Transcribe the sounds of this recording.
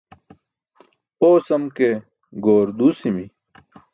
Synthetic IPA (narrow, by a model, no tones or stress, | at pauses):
oːsɐmke | ɡoːɾd̪uːsimi